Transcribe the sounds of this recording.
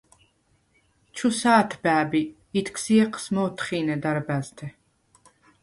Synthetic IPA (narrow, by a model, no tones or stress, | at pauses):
t͡ʃʰusaːt̪ʰbæːbiː | t̪ʰkʰsiɛqʰʼsmɔːt̪ʰχiːnɛd̪aɾbæzt̪ʰɛ